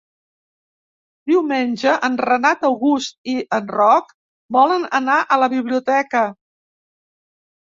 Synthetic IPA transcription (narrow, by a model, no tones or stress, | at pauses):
d̪̥iwmenʲʒəʔənrənat̪əwɣust̪̚iʔənrɔk | bɔlənə̰naʔələβiβliut̪ɛkə